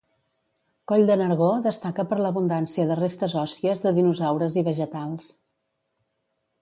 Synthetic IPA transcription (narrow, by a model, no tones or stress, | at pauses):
kɔʎd̪ənəɾɣ̞oðəst̪akəpəɾləβund̪ansiəðərest̪əzɔsiəzðəðinuzawɾəziβəʒət̪alˠs